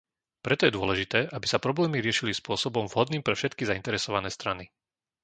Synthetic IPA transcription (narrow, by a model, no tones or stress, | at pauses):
pɾɛt̪ɔjɛd̪ʊɔlɛʒit̪ɛːʔabisapɾɔblɛːmiɾɪɛʃilispʊɔsɔbɔmvɦɔd̪niːmpɾɛfʃɛt̪kizaint̪ɛɾɛsɔʋanɛːst̪ɾani